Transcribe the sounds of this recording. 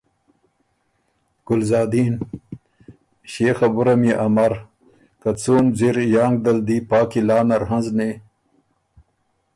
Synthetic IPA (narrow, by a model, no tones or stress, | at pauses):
ɡ̥ʊlzɑːd̪iːn | ɕeːxabuɾameʔamaɾ | kat͡soːnziɾjɑːŋɡ̚d̪ald̪ipɑːkilɑːnaɾhanzne